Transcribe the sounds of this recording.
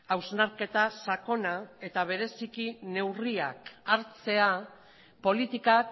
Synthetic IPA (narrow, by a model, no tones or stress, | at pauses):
awznaɾke̞t̪asako̞nae̞t̪aβ̞e̞ɾe̞sikine̞wria̰kaɾt͡se̞a | po̞lit̪ikak